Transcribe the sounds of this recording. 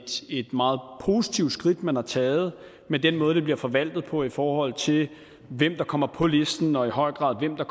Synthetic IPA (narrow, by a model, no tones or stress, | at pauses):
d̥e̝d̥mɑ̈ːð̞̩ˠpʰo̝ːsit͡sʰiʊ̥sɡ̥ʁid̥mænhɑ̈t͡sʰɛːð̞̩ˠ | med̥enmɔ̽ːð̞̩ˠd̥eb̥liɐfɒ̽ʋæl̰d̥ð̩ˠpʰɒ̽ifɒːhɒ̽l̰t͡sʰe̝l | ʋem̰d̥ɑ̈kʰɒ̽m̰ɐpʰɒ̽le̝sd̥n̩ɒ̽iɦɒ̽ɪ̰ɡ̥ʁɑ̈ðˠʋem̰d̥ɑ̈kʰ